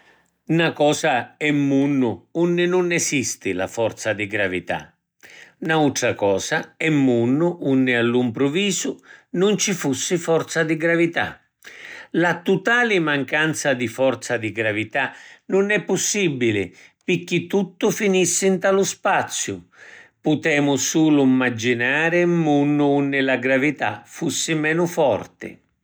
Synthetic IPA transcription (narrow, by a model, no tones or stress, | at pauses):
nakɔːsaɛmːunːʊunːɪnʊnɛsist̪ɪla̰fɔrt̪sad̪iɡɾavit̪a̰ | naut̪ɾakɔːsaɛmːunːʊʔunːɪalːumpɾʊviːzʊnʊnt͡ʃifusːɪfɔrt̪sad̪iɡɾavit̪a̰ | lat̪ut̪aːlɪmaŋkant̪sad̪ifɔɾt̪sad̪iɡɾavit̪anʊnɛpːʊsːibilɪ̰pɪkːit̪ːut̪ːʊfinisːɪnt̪alʊspat̪sːjʊ̰pʊt̪ɛːmʊsuːlʊimːad͡ʒinaːɾɪmːunːʊunːɪlaɡɾavit̪a̰fusːɪmɛːnʊfɔrt̪ɪ̰